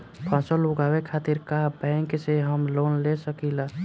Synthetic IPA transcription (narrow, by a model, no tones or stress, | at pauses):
pʰãsəluɡawekʰat̪iɾkaɦbə̃ŋkseɦəmlonlesəkila